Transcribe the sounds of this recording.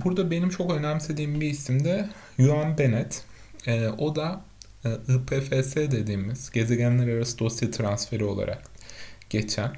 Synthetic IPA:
buɾd̪abe̞nimt͡ʃʰo̞kø̞næmse̞d̪iːmbiisimd̪ɛ | juanbe̞nɛt̪ː | o̞d̪a | ɯpʰeːfeːseːd̪e̞d̪iːmiz̥ɟ̥e̞ze̞ɟænlʲæɾaɾasɯd̪o̞sjat̪ʰɾansfe̞ɾio̞lˠa̰ɾʔa̰kɟ̥e̞t͡ʃʰæn

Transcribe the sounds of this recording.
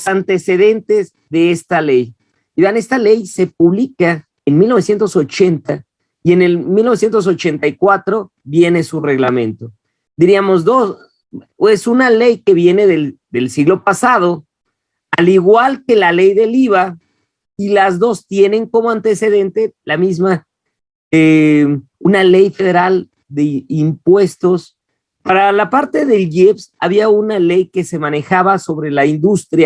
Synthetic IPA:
osant̪e̞se̞ðe̞nt̪e̞z | ðe̞est̪ale̞j | iβane̞st̪ale̞jse̞p̚uβlika | enmilnoesje̞nt̪o̞so̞t͡ʃe̞nt̪a | ie̞ne̞lmilnoes̬je̞nt̪os̬o̞t͡ʃe̞nt̪ajkwat̪ɾo̞ | βje̞ne̞sure̞ɣlamẽ̞nt̪o̞ | d̪iɾiamo̞zðo̞s | e̞sunale̞jke̞βje̞ne̞ðeðe̞lsiɣlo̞pasað̞o̞ | aliɣwalke̞lale̞jðe̞liβa | ilazðo̞st̪je̞ne̞ŋko̞mo̞ant̪e̞se̞ðe̞nt̪e̞lamizma | e | unale̞jfe̞ð̞e̞ɾal | d̪e̞impwe̞st̪o̞s | paɾalapaɾt̪e̞ðe̞lɡepsa̰βiaunale̞jke̞se̞mãne̞xaβaso̞βɾe̞laind̪ust̪ɾja

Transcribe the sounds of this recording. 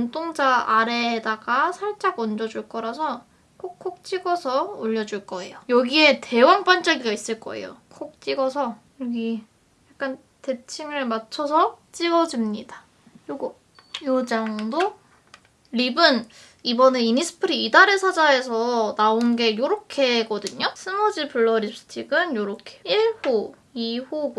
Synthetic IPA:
nt͈ʰoŋd͡ʑaʔːɾedaɡasʰaɭt͡ɕ͈aɡʌnd͡ʑʌd͡ʑuɭk͈ʌɾasʰʌ | kʰokk͈ʰːok̚t͡ɕ͈iɡʌsʰʌoʎːʌd͡ʑuɭk͈ʌe̞̰jojʌɡie̞te̞waŋp͈ant͡ɕ͈aɡiɡais͈ɯɭk͈ʌ̰e̞̰jo̰kʰok̚t͡ɕ͈iɡʌsʰʌ | ʌɡi | jak̚k͈an | te̞t͡ɕʰimɯɭmat͡ɕʰʌsʰʌt͡ɕ͈iɡʌd͡ʑimɲida | joɡ | jod͡ʑaŋdo | ɾibɯn | ibʌne̞inisʰɯ̥pʰɯɾiːdaɾesʰad͡ʑae̞sʰʌnaonɡe̞joɾokʰe̞ɡʌdɯɲosʰɯmod͡ʑipʰɯɭːʌɾipsʰɯ̥tʰiɡɯnjoɾʌkʰe̥iɭhu | ihuɡ

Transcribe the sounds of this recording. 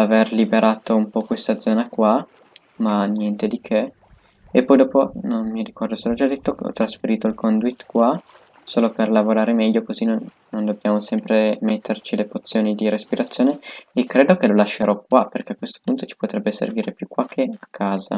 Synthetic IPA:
averlibeɾʔaːt̪oumpɔkwest̪ad̪zɔːnakwa | manjɛnt̪ed̪ikʰeː | pːɔːjd̪ɔːpononmiɾikɔrd̪oselɔd͡ʒad̪ːet̪ːokeɔ̰t̪ːɾasfeɾiːt̪oilkɔnd̪wit̪ːkwa | soːloperlavoɾaːɾemɛʎːokozinoː | ond̪objaːmosɛmpɾemet̪ʰːert͡ʃilepot̪sːjoːnid̪iɾespiɾat̪sːjoːneekːɾeːd̪okelolaʃːeɾʔɔkwaperkeakːwest̪o̥punt̪ot͡ʃi̥pot̪ɾɛbːesḛrviːɾepjukːwak̟ʰːeakʰːaːza̰

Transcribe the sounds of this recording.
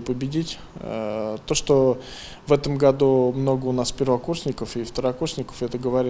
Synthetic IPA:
pəbʲɪdʲitʲː | t̪o̞ʂt̪o | vɛt̪əmɡɐd̪umno̞ɡəʊnaspʲɪrvɐkursʲnʲɪkəfɪft̪əɾɐkursʲnʲɪkə̥fɛt̪əɡəvɐɾʲ

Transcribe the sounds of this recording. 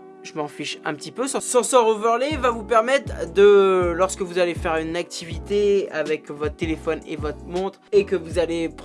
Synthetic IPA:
ʒəmɑ̃fiʃɛ̰̃pət̪ipøsɑ̃sɑ̃sɔʁəvœʁlevavupɛʁmɛt̪χd̪əlɔʁskəvuzalefɛʁynak̚t̪ʰivit̪eavɛkvɔt̪χət̪elefɔnḛvɔt̪χmɔ̃t̪χekəvuzalep

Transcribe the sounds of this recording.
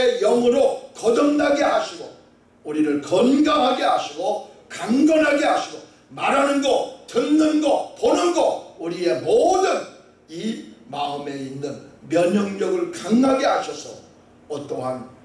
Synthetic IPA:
ejʌŋɯɾokʌdʌŋdaɡehaɕʰiɡo̰ | uɾiɾɯɭkʌnɡamɦaɡeɦaɕʰiɡokaŋɡʌnɦaɡeɦaɕʰiɡo | maɾanɯnɡʌtɯnnɯnɡʌponɯnɡʌuɾie̞modɯn | imaɯme̞inːɯnmjʌɲʌŋɲʌɡɯɭkaŋaɡeɦaɕʰʌsʰʌ̰ | ʌt͈oɦan

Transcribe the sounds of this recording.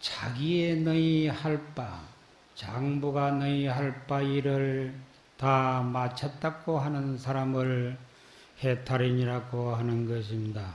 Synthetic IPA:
t͡ɕaɡienʌihaɭp͈a | t͡ɕaŋbuɡanʌiɦaɭp͈aiɾɯɭ | tamat͡ɕʰʌt̚t͈ak͈oɦanɯnsʰaɾamɯɭ | he̞tʰaɾiɲiɾaɡoɦanɯnɡʌɕ̬ʰimɲida

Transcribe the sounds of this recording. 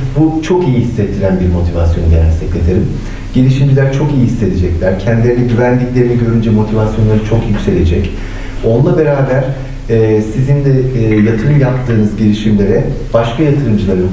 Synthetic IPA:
but͡ʃʰo̞kijiɦisːɛt̪ʰːiɾænbiɾmo̞t̪ʰiva̰sjo̞nud̪enæ̰sɛclʲe̞d̪eɾʲim | ɟ̥elʲiʃimd͡ʒilʲæɾt͡ʃʰo̞kijihisːe̞d̪ed͡ʒɛclʲæɾcʰɛnd̪ilʲeɾinɛɟyvænd̪iclʲe̞ɾiniɟø̞ɾynd͡ʒɛmo̞t̪ʰivasjonˠaɾɯt͡ʃʰo̞kjycʲse̞lʲe̞d͡ʒɛc | o̞nlˠabe̞ɾaːbæɾ̥ | ɛːsizind̪ɛːjat̪ʰɯɾɯmjap̚t̪ʰːɯːnɯzɟelʲiʃimlʲe̞ɾɛb̥aʃkʰajat̪ʰɯɾɯmd͡ʒɯlˠaɾɯ

